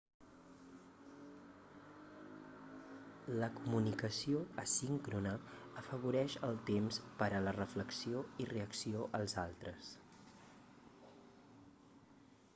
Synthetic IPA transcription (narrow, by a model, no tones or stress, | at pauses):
ləkumunikəsioəsiŋkɾunəəfəβuɾɛʃəlˠt̪emspəɾələrəfləksioireəksioʔəlˠzalˠt̪ɾəs